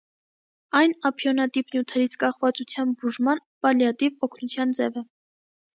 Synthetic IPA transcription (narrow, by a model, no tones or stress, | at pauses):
ɑjnɑpʰjɔnɑt̪ipnjut̪ʰɛɾit͡sʰkɑχvɑt͡sut͡sʰjɑnbuʒmɑnpɑljɑt̪ivɔkʰnut͡sʰjɑnd͡zɛvə